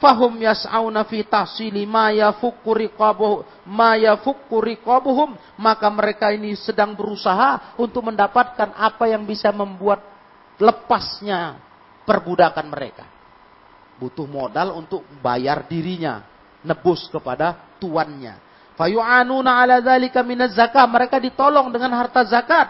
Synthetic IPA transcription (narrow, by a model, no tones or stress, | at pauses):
faɦʊmjasawnafit̪ahsilimajafʊkːuɾikb | majafʊkːuɾikɔbuɦʊmː | akaməɾekainisədaŋbəɾusaɦaunt̪ʊk̚məndapat̪̚kanʔapajaŋbisaməmbuat̪̚ | ləpasɲa | pərbudakanməɾḛka | but̪ʊhmodalunt̪ʊk̚ba̰jardiɾiɲa̰ | nəbʊskəpadat̪uanɲa̰ | fajuʕanunaʕalaðalikamɪnazːakahməɾekadit̪olɔŋdəŋanɦart̪azakat̪̚